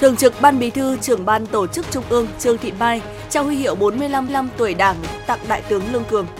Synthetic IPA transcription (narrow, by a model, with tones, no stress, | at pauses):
t̪ʰɨ˨˩əŋt͡ɕɨ˨˩k̚ɓaː˧nɓi˨˦t̪ʰɨ˧t͡ɕɨ˧˩əŋɓaː˧nt̪o˧˩t͡ɕɨ˦˥k̚t͡ɕʊ˧ŋ͡mʔɨ˧əŋt͡ɕɨ˧əŋt̪ʰḭ˧˨ənmaː˧˩j | t͡ɕaː˧whwi˧hḭ˧əwɓo˨˦nmɨ˧əjla˧mla˧mt̪u˨˩əjɗaː˧˩ŋt̪a̰ː˧˨ŋɗa̰ː˧˨jt̪ɨ˨˦əŋlɨ˧əŋkɨ˨˩əŋ